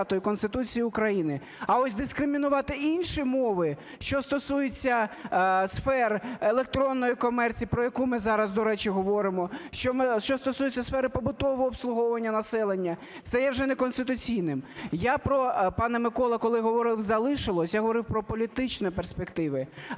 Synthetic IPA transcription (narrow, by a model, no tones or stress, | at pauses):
t̪ɔjikɔnst̪ɪt̪ut͡sʲijiʊkɾɐjinɪ | ɐɔsʲd̪ɪskɾɪmʲinʊʋɑt̪ɪinʲʃimɔʋɪ | ʃt͡ʃɔst̪ɔsujet͡sʲːɐ | sfɛrelˠek̚t̪ɾɔnːɔjikɔmɛrt͡sʲipɾɔjɐkumɪzɑɾɐzd̪ɔɾɛt͡ʃiɦɔʋɔɾɪmɔʃt͡ʃɔmɪʃt͡ʃɔst̪ɔsujet͡sʲːɐsfɛɾɪpɔbʊt̪ɔʋɔːpslˠʊɦɔwʋɐnʲːɐnɐsɛlˠenʲːɐ | t̪sɛjɛwʒɛnekɔnst̪ɪt̪ʊt͡sʲijnɪmjapɾɔpɑnɛmɪkɔlˠɐkɔlˠɪɦɔʋɔɾɪwzɐlˠɪʃɪlˠɔsʲjaɦɔʋɔɾɪwpɾɔpɔlʲit̪ɪt͡ʃnɛperspekt̪ɪʋɪ